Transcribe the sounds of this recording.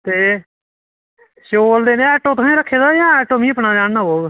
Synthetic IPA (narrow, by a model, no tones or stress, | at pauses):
t̪eː | ʃoːld̪eːnẽːɛːʈoːt̪aẽːɾəkʰːeːd̪aːjãːɛːʈoːmĩːəpnãːd͡ʒãːnnaːboːɡ